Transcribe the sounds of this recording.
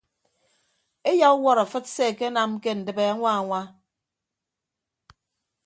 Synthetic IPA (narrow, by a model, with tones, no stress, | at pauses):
e˦ja˦u˦wɔ˦ɾa˨fɨ˦t̚se˦˨ke˦na˨mke˦n̩˨dɨ˨be˨a˦ŋʷa˦a˨ŋʷa˦